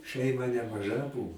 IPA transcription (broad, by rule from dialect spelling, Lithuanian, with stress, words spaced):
ˈʃʲɛɪmɐ nʲɛmɐˈʒɐ ˈbʊʋoː